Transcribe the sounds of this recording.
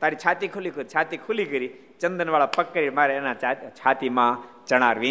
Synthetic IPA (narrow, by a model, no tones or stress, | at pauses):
t̪aːɾit͡ʃʰaːt̪ikʰʊlikuɾit͡ʃʰaːt̪ikʰʊlikəɾi | t͡ʃə̃nd̪ənʋaːɭapɐkːəɾimaːɾenat͡ʃʰaːt̪imã | t͡ʃɐɽ̃aːɾʋĩː